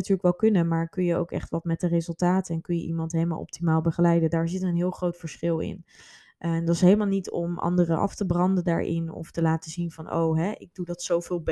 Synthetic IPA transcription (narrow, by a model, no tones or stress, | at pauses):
tyːɹləkʋɛlˠkɵnəmaːɹkɵnjəo̰wkɛ̰χtʋɑtmɛt̚dərezɵlˠtaːtəɛnkɵnjə̰ʔimɑntɦejləma̰lˠɔ̰p̚timaːlˠbəχəlɛjdədaːɹzɪtəənɦɪːlˠχrowtfəɹsχɪlˠɪ̰n | ʔndɑtɪsɦejləmaːlˠnitɔmʔɑ̰ndərəʔɑ̰ftəbrɑndənda̰ːɹʔɪ̰nɔ̰ftəlaːtəzinvɑnʔo̰wɦɛʔɪɡ̚dudɑtsowvɪːlˠb